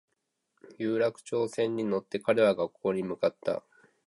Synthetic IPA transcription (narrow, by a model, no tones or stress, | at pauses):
jɯːɾakɯ̟̥t͡ɕo̞ːsẽ̞ɲ̟ːino̞t̪ːe̞kaɾe̞βaɡakʰːo̞ːɲ̟imɯ̟kat̪ːa̰